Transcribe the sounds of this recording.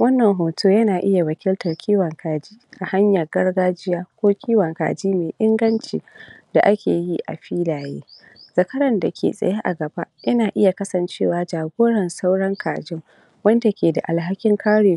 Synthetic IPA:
wɐ˦nːɐ˨ŋɦoː˨toː˦jɐ˦naː˨ʔɪ˦ja˨wɐ˨kʲɪ˦ltɐ˨rkʲʰiː˦wɐ˨ŋkʰaː˨d͡ʒiː˦ʔa˨ha˦ɲjɐ˨rɡɐ˦rɡaː˦d͡ʒɪ˦jaː˦kʷoː˦kʲʰiː˦wɐ˨ŋka̰ː˨d͡ʒiː˦meː˨ʔɪ˦ŋɡɐ˦nt͡ʃḭː˨da˨ʔa˦kʲʰḛː˨ji˦ʔa̰˨ɸiː˦laː˨jḛː˦ | z̥ɐ˨kɐ˦ɾɐ˨nda˨kʲʰḛ˨sʼɐ̰˨ja˦ʔa̰˨ɡɐ˨ba˦jɐ˦naː˨ʔɪ˦ja˨kɐ˦sɐ˨nt͡ʃeː˦˨waː˨d͡ʒaː˨ɡʷoː˦ɽɐ˨nsa˦wɽɐ˦ŋkʰa̰ː˨d͡ʒɪ˦ŋ | wɐ˦nda˨kʲeː˨da̰˨ʔa˨lɦa˦kʲɪ˦ŋkʰaː˦ɽeː˨˦

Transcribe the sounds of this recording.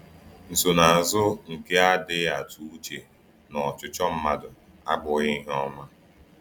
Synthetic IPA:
n̩˨so˨na˨a˨zʊ˦ŋ̩˨ke˦a˦dɪ˦a˨tu˦u˦t͡ʃe˨ | nɔ˨t͡ʃʊ˨t͡ʃɔ˦m̩˦ma˦dʊ˨ | a̰˦bʊ˨ɣɪ˦ɦɔ˦ma˦

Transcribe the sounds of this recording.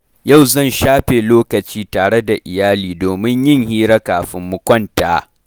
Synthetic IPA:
ja˦˨wzɐ˦˨nʃaː˦ɸeː˨loː˦kɐ˨t͡ʃiː˦taː˨ɽe˦da˨ʔɪ˨jaː˦liː˨doː˨mɪ˦ɲjɪ˦˨ŋhiː˦ɾɐ˦kaː˨ɸɪ˦mːʊ˦kʷɔ˦ntaː˨

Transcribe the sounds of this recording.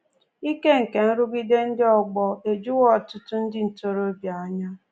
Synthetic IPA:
i˦ke˦ŋ̩˨ke˨n̩˦ɾʊ˦ɡi˦de˦n̩˦dɪ˦ɔ˦ɡ͡bɔ˦e˨d͡ʒu˦wɔ˦˨tʊ˦tʊ˦n̩˦dɪ˦n̩˨to˨ɾo˦bja˨˦ɲa˦

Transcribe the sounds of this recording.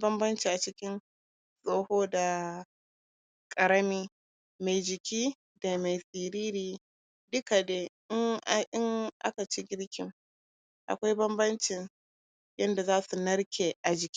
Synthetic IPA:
bɐ˦mbɐ˦nt͡ʃiː˨ʔa˨t͡ʃɪ˦kʲɪ˦n | sʼoː˦hoː˦da˨ | kʼɐ˨ɾɐ˦miː˦ | ma˨jd͡ʒɪ˨kʲiː˦ | da˨ma˨jsʼiː˨ɾiː˦ɾiː˨ | dʊ˦ka˨deː˦ʔɪ˦ŋʔʔɪ˦ŋʔa̰˦ka˨t͡ʃi˦ɡʲɪ˦ɾkʲɪ˨m | ʔa̰˨kʷa˦jbɐ˦mbɐ˦nt͡ʃɪ˨n | jɐ˦nda˨zaː˦su˨nɐ˦ɽkʲeː˨ʔa˨d͡ʒɪ˨kʲi̥˦

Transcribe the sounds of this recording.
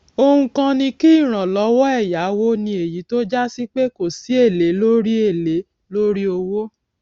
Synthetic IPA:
o˦˧hũ˧kã˧nĩ˧ki˦˨ɾ̃ã˨lɔ˨˧˦wɔ˦ɛ˦˨ja˨˦wo˦nĩ˧e˨ji˨˦to˦d͡ʒa˦si˦k͡pe˦ko˦˨si˨˦e˦˨le˨˦lo˦ɾi˦e˦˨le˨˦ | lo˦ɾi˦o˧wo˦

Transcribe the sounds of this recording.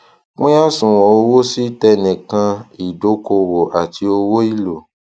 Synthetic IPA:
mũ˦ja˦sũ˨o˧wo˦si˦tɛ˧nĩ˨kã˧i˨do˨˦ko˧wo˨ʔa˨ti˧˦o˧wo˦i˦lo˨

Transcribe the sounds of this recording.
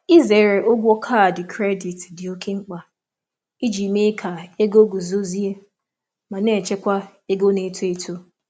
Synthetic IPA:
i˦ze˨ɾe˨ʔʊ˦ɡʷɔ˦kʰa˦˨dɪ˨kʰɾe˦di˨tdɪ˨o˦kʰe˦ŋ͡m̩˦k͡pa˨ | i˦d͡ʒi˨me˦kʰa˨e˦ɡo˦ɡu˨zo˦zi˦e˦ | ma˨ne˦˨t͡ʃe˦kʷa˦ | e˦ɡo˦ne˨˦tu˦e˦tʰu˦

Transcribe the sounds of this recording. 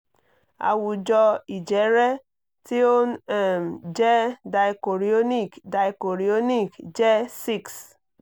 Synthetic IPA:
a̰˨wu˨d͡ʒɔ˦i˨d͡ʒe˨˦ɾe˦ | ti˦o˦nɛ˨m˨d͡ʒe˦da˨i˨ko˨ɾi˨o˦ni˦˨kda˨i˨ko˨ɾi˨o˦ni˦˨kd͡ʒe˦si˦˨ks

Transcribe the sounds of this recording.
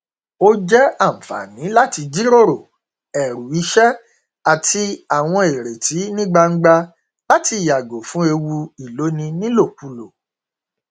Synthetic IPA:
o˦d͡ʒɛ˦a˦˨m̩˨fa̰˨nĩ˨˦la˦ti˧d͡ʒi˦ɾo˦ɾo˨ | ɛ˨ɾu˨i˨˦ʃɛ˦ | a˨ti˧a˨w̃ɔ̃˧e˨ɾe˨ti˨˦nĩ˦ɡ͡ba˧ŋ̩˦ɡ͡ba˧ | la˦ti˧˨ja˨ɡo˨fũ˨˦e˧wu˧i˨lo˨˦nĩ˧nĩ˦lo˦˨k͡pu˧lo˨

